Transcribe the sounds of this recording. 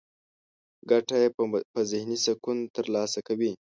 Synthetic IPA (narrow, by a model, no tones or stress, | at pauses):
ɡaʈajepəzɪhnisakunt̪əɾlɑsakawi